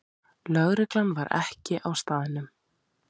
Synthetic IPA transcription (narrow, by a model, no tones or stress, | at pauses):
lœɣɾɪklanvaɾʔɛ̰hcɪʔawst̪aːðɪnʏm